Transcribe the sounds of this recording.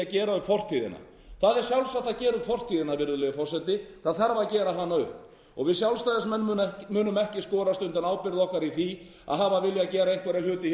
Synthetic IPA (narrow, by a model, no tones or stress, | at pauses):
acɛːɾaʏfɔr̥t̪ʰiːðɪ̰na̰ | θaðɛɾ̥sjawlsat̪ːacɛːɾʏfɔr̥t̪ʰiːðɪnavɪɾðʏlɛːɣʏfɔr̥sɛt̪ɪθaðθaɾvacɛːɾaɦanːaʏhp | ɔ̰ɣvɪðsjawlst̪ajðasmɛnːmʏːnʏmɛhcɪskɔːɾast̪ʏnt̪ɪnawpɪɾðɔhkaɾiθi | a̰ðɦaːvavɪljacɛːɾaejn̥k̪vɛɾaljʏːt̪ɪ